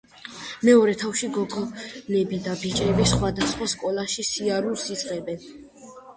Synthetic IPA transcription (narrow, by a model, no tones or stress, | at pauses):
mɛɔɾɛt̪ʰafʃiɡɔɡɔnɛbid̪abit͡ʃʼɛbisχwad̪asχwaskʼɔlˠaʃisiaɾuɾsid̪z̥ʼʁɛbɛn